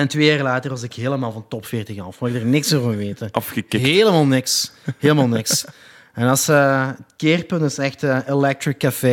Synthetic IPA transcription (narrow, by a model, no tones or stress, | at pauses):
ɛntʋeːjaːrəlaːtərʋɑzɪkɦeːləmaːlˠvɑntɔpfɪːrtɪɣɑfaɪɡ̚dərnɪksoːvɑnʋeːtəɑfxəkɪɦeːləmaːlˠnɪksɦeːlˠəmaːlˠnɪks | ɛnɑsəətkeːrpɵntɪsɛxtəelɛk̚trɪkːafe